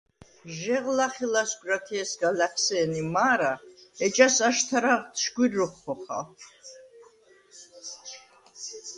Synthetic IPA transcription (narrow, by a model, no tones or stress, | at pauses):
ʒɛʁlaχilasɡʷɾat̪ʰiɛsɡalaχʰsɛːnimaːɾaɛt͡ʃʼasaʃt̪ʰaɾaʁt̪ʃɡwiɾːɔχχɔχa̰